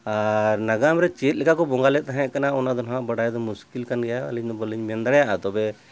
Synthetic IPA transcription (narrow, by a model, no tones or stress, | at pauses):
aɾnaɡamɾɛt͡ʃet̪̚lɛkakɔbɔŋɡalɛt̪̚t̪aɦɛ̃ʔkanaɔnad̪ɔnɔɦãʔbaɽajd̪ɔmuskilkanɡɛjaa̰liɲd̪ɔbɔliɲmɛnd̪aɽɛjaʔat̪ɔbɛ